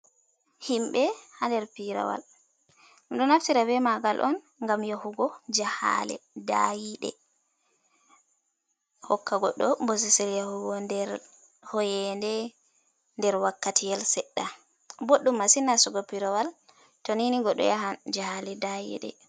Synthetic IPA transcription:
himɓɛhandɛɾpiɾa̰wa̰l | ɗɔnaftiɾabɛmaɡalʔɔ̰n | ŋɡamjahuɡɔd͡ʒaha̰lɛ̰da̰jiɗɛ̰ | hɔkːaɡɔɗːɔmbos̬ɛsɛljahuɡɔndɛɾ | hɔjɛndɛ | ndɛɾwakːatʰijɛlsɛɗːa | boɗːumːasinːasɔɡɔpiɾawal | toniniɡɔɗɔ̰jaɦand͡ʒahalɛdajḭɗɛ̰

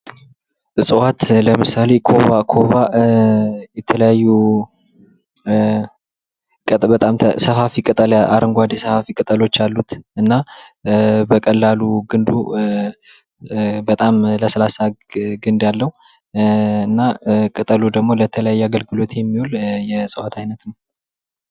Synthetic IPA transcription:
ɨsʼɨwat̪ləmɨsale̞kʰo̞βakʰo̞βa | jɛt̪ʰələjajːu | bət̪ʼamʰsəfafikʼɨt̪ʼəla̰ɾəŋɡʷad̪esəfafikʼɨt̪ʼəlo̞t͡ʃːalːut̪ɨnːa | bəkʼəlːaluɡɨnd̪ṵ | bət̪ʼamləsəlasaɡɨnd̪jalːəhu | ɨnːakʼɨt̪ʼəlud̪əɡmo̞lət̪ʰələjajːaɡəlɡɨlo̞t̪jɛmːiholjɛsʼɨwat̪ʰajnət̪nəw

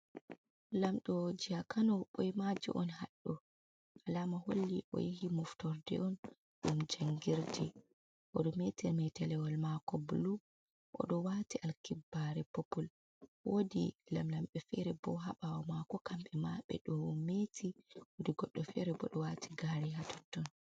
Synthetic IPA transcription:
lamɗɔd͡ʒiakanɔɓojmad͡ʒḭʔɔnhaɗːɔ | ʔalamaho̰lːiʔɔ̰jihimuftɔɾdɛ̰ɔn | ɗumd͡ʒaŋɡiɾdɛ | ʔɔɗɔmetɛmɛtɛlɛwɔlmakɔbulu | ʔɔ̰ɗɔwatiʔalkibːaɾɛpopul | wodilamlamɓɛfɛɾɛbɔɦaɓawɔmakɔkamɓɛmaɓɛ̰ɗɔmetʰiwodiɡɔɗːɔfɛɾɛbɔɗɔwatʰiɡaɾɛɦatʰɔ̥tːɔn

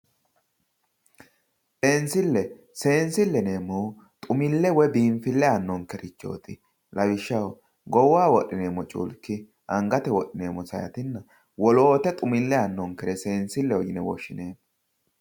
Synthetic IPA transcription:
pʼeːnsɪlːɛ | se̞ːnsɪlːɛne̞ːmːɔw | t̪ʼʊmɪlːɛwɔbiːmfɪlːɛɐnːɔŋkɛɾɪt͡ʃːo̞̰ːt̪ɪ | lɐwɪʃːɐw | ɡɔwaːwɔɗːɪneːmːɔt͡ʃʼṵːlkːɪ | ʔɐŋɡɐt̪ɛwɔɗɪneːmːɔsɐ̰jɐ̰t̪ɪnːɐ | wɔloːt̪ɛt̪ʼʊmɪlːɛɐnːɔŋkɛɾɛse̞ːnsɪlːɛwɔjɪnɛwɔ̰ʃːɪneːmɔ

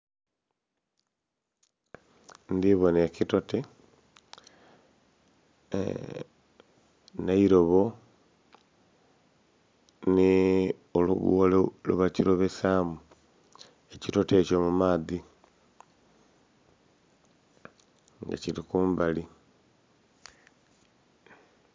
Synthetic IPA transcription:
ndiβonekitote | naiɾoβo | ni | olṵβṵolelṵβaciɾoβesamu | ecitotecomumaːði | ŋɡa̰ciɾikuːmbali

